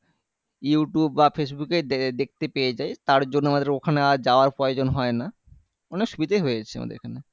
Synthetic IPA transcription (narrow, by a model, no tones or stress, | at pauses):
juʈubːafes̬buked̪ek̚t̪epeed͡ʑaet̪aɾd͡ʑonːoamad̪ɾeokʰaneaɾd͡ʑaoaɾpɾɔjod͡ʑonɦɔena | ɔnekʃubid̪eɦojet͡ɕʰea̰ma̰d̪ḛɾḛkʰane